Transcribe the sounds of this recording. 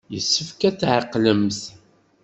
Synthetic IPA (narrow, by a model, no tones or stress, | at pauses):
jəsːəfkæt͡sːʕəqːləmθ